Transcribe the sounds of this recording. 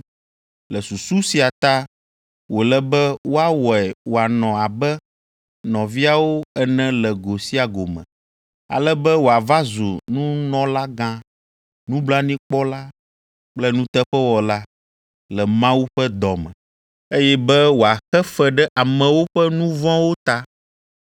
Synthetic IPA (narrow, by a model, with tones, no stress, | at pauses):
lɛ˨su˨su˦si˨a˨t̪a˦ | wo˨lɛ˨bɛ˦wo˦a˦wɔ˨ɛ˨wo˨a˨nɔ̃˨a˨bɛ˦ | nɔ̃˨vi˦a˨wo˦ɛ˦nɛ̃˦lɛ˨ɡo˨si˦a˨ɡo˨mɛ̰̃˨ | a̰˨lɛ˦bɛ˦wo˨a˨va˦zṵ˨nũ˦nɔ̃˨˦la˦ɡã˦ | nũ˦bla˦nĩ˦k͡pɔ˦la˦ | k͡plɛ˦nũ˦t̪ɛ˦ɸɛ˦wɔ˨la˦ | lɛ˨mã˦wu˦ɸɛ˦d̪ɔ˨mɛ̰̃˨ | e˦jɛ˦bɛ˦wo˨a˨xɛ˦fɛ˨ɖɛ˦ʔa˨mɛ̃˨wo˦ɸɛ˦nũ˦vɔ̃˦wo˦t̪a˦